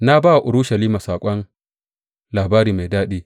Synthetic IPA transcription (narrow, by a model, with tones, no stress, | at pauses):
na˦ba˦wa˨ʔʊ˨ɾʊ˦ʃɐ˨liː˦ma˨saː˨kʷʼɔ˦n | laː˨baː˦ɾiː˨ma˨jdaː˦ɗiː˦